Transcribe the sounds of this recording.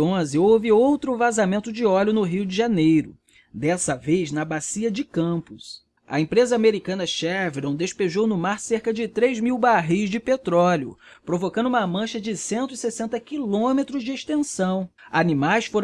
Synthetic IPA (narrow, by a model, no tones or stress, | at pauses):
õzɪowvɪowt̪ɾʊvazamẽnt̪ʊd͡ʒɪɔʎʊnʊɦiwd͡ʒɪʒanejɾʊ̰ | d̪ɛsɐvejznɐbasiɐd͡ʒɪkɐ̃pʊs | ɐ̰ẽpɾezɐameɾikɐ̃nɐʃɛɾveɾõd̪eʃpeʒownʊmaɾseɾkɐd͡ʒɪt̪ɾejzmiwbaɦijzd͡ʒɪpet̪ɾɔlʊ̰pɾovokɐ̃nd̪ʊũmɐmɐ̃ʃɐd͡ʒɪsẽnt̪ʊisesẽnt̪ɐkilõmet̪ɾʊzd͡ʒɪeʃt̪ẽsɐ̃w̃animajsfoɾ̃